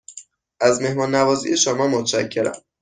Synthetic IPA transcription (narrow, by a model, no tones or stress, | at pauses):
ʔæzme̞hmɒːnːævɒːzḭjeʃomɒːmot̪ʰʃæcʰːeɾæ̰m